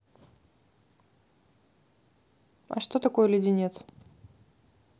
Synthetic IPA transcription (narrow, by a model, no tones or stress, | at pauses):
ɐ̰ʂt̪o̞t̪ɐko̞jəlʲɪdʲɪnʲet̪s